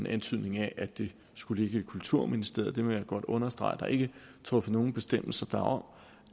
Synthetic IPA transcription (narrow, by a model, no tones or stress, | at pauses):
nʔænt͡sʰyð̞̰ˠne̝ŋæʔæd̥e̝ | sɡ̥uləe̝ɡ̥əkʰult͡sʰuɐ̰minisd̥e̝ɐ̰d̥e̝mɒjɑ̈ɡ̥ɒ̽d̥ɔ̽nɐsd̥ʁɑ̈ɪd̥ɑ̈ʔe̝ɡ̥ət͡sʰʁɔ̽fəno̝ːn̩b̥e̝sd̥em̰l̩sɐd̥æɒ̽m